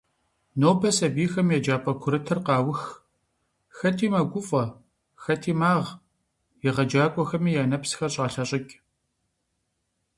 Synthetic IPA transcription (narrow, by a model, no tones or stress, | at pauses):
noːbʰɐsɐbiːxɐmjɛd͡ʒaːpʼɐkʷʰʊɾɨtʰɨrqɑːwʊx | xɐtʰiːmɐɡʷʊfʼɐ | xɐtʰiːmaːʁ | jɪʁɐd͡ʒaːkʷʼɔxɐmiːjaːnɐpsxɐɕʼɑːɬɐɕʼɪkʲʼ